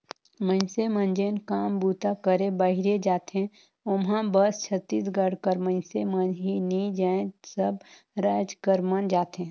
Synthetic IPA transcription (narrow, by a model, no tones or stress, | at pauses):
mə̃ɪnsemə̃nd͡ʒenkaːmbuːt̪akəɾẽbəɦɪɾed͡ʒaːt̪ẽ | ʊmɦãbəst͡ʃʰət̪ːiːs̬ɡəɽkəɾmə̃ɪ̃nsemənɦinid͡ʒaːẽsəb | ɾaːd͡ʒkəɾmənd͡ʒaːt̪ɦẽ